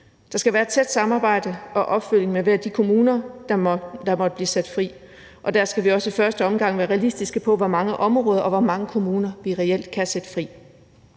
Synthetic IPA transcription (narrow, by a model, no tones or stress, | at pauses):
d̥ɑ̈sɡ̥æʋæːɐe̝d̥̚t͡sʰed̥sɑ̈mɑ̈ːb̥ɑ̈ɪ̰d̥əɒ̽ʔɒ̽b̥føl̰jeŋmeʋæɐ̰d̥ikʰo̝muːnɐd̥ɑd̥ɑ̈mɒ̽d̥əb̥liːsæd̥fʁḭː | ʔɒ̽d̥æɐsɡ̥æʋiɒ̽səifɶɐsd̥əɒ̽mɡ̥ɑ̈ŋ̰ʋæːɐʁɛælisd̥isɡ̥əpʰɒ̽ʋɒmɑ̈ŋəʔɒ̽mʁɔːð̞ˠɐʔɒ̽ʋɒmɑ̈ŋəkʰo̝muːnɐʋiʁɛel̰d̥kʰæsed̥ə̥fʁḭː